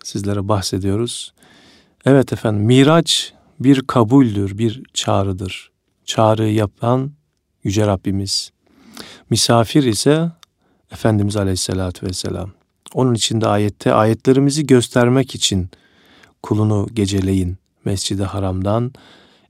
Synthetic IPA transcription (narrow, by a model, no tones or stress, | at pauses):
sizlʲe̞ɾɛbahse̞d̪ijo̞ɾuz̥ | ɛvɛt̪ʰɛfænd̪imːiːɾat͡ʃ | biɾkʰabulʲd̪ɯɾbiɾt͡ʃʰaːɾɯd̪ɯɾ̥ | t͡ʃʰaːɾɯjapʰan | jyd͡ʒɛɾabːimiz̥ | mysaːfiɾisɛː | fænd̪imizalʲehisːelʲaːt̪ʰvɛsːḛlʲa̰m | o̞nunit͡ʃʰind̪ɛaːjɛt̪ʰːɛʔa̰ːjɛt̪ʰlʲe̞ɾimiziɟø̞st̪ʰæɾmɛcit͡ʃʰin | kʰulˠunuɟe̞d͡ʒe̞lʲe̞jin | mɛsd͡ʒid̪ihaɾamd̪an